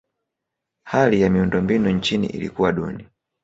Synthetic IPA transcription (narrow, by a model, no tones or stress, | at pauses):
halijamiundɔmbinunt͡ʃinḭʔḭlḭkuwaɗṵni